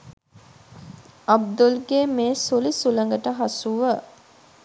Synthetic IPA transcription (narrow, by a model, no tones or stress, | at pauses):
ɐb̚d̪ulɡemeːsulisulɐŋɡəʈəɦɐsuʋə